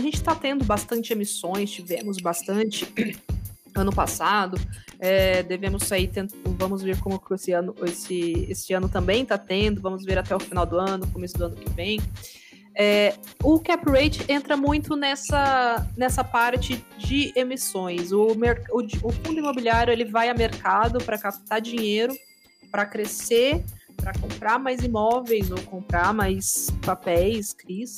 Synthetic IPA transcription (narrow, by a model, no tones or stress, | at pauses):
aʒẽnt͡ʃɪ̥t̪at̪ẽnd̪ʊbast̪ɐ̃nt͡ʃɪemisõj̃st͡ʃivẽmʊzbast̪ɐ̃nt͡ʃɪ | ɐ̃nʊpasad̪ʊɛd̪evẽmʊsait̪ẽnvɐ̃mʊzveɾkõmʊkesɪɐ̃nʊesɪesɪɐ̃nʊt̪ɐ̃mbẽj̃t̪at̪ẽd̪ʊvɐ̃mʊzveɾat̪ɛʊfinawd̪ʊɐ̃nʊkomesʊd̪ʊɐ̃nʊkɪvẽj̃ | ɛ | ʊkɛpɾejt͡ʃɪẽnt̪ɾɐmũj̃t̪ʊnɛsɐnɛsɐpaɾt͡ʃɪd͡ʒɪemisõj̃sʊmeɾkʊʊfũd̪ʊimobiliaɾjʊelɪvajɐmeɾkad̪ʊpɾɐkapt̪aɾd͡ʒĩɲejɾʊ | pɾɐkɾese | pɾɐkõpɾaɾmajzimɔvejzowkõmpɾaɾmajspapɛjskɾis